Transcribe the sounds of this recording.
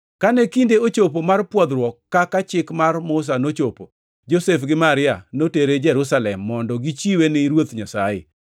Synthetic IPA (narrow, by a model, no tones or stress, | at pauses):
kanekindeot͡ʃop̬omarpwɔd̪ɾwɔkːakat͡ʃɪkmarmʊs̬anot͡ʃopo | d͡ʒosefɡɪmaɾɪanoteɾed͡ʒɛɾʊsalɛmːɔndɔɡit͡ʃiwenɪɾwot̪ɲasajḛ